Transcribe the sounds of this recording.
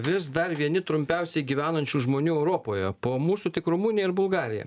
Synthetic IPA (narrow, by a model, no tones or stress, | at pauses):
ʋʲɪsd̪ɐɾʋʲiɛnʲɪt̪ɾʊmʲpʲɛʊsʲɛɪɡʲiːʋʲæːnɐnʲt͡ʃʲuʒmoːnʲuːɛʊɾoːpoːjɛpoːmuːsut̪ʲɪkɾʊmuːnʲɪjɛɪɾbʊlˠɡɑːɾʲɪjɛ̰